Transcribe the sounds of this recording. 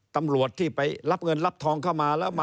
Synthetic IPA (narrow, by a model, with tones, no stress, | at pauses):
t̪a˧mɾu˨˩ət̪ʰːiː˥˩pa˧jɾa˦˥p̚ŋɤ˧nla˦˥p̚t̪ʰɔː˧ŋkʰa˥˩wmaː˧lɛː˦˥wma˧